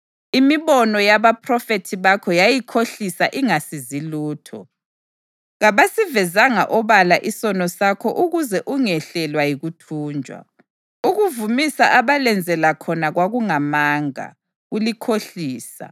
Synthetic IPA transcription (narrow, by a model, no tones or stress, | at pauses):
imiβɔnɔjaβapʰrɔfetʰiβakʰɔjajikʰoɬisaʔiŋasiziluːtʰɔ | ɣaβasivɛzaŋa̰ʔɔβalaʔisɔnɔsakʰɔʔuɣuzɛʔuŋɛɬɛlwajiɣutʰuːnd͡ʒʱwa̰ | uɣuvumisaʔaβalɛnd͡zʱɛlakʰɔnaɣwaɣuŋamaːŋa̰ | ɣulikʰoɬiːsa̰